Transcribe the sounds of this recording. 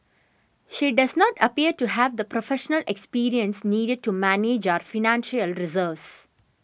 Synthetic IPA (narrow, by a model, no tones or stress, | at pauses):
ʃiːɖɐznɔːʈəpiːəɾʈuɦæʋd̪əpɾofeʃənəlekspiːɾiə̃nsniːɖeɖ̚ʈumæneːd͡ʒaɾfɪnæ̃nʃəlɾɪzəːʋs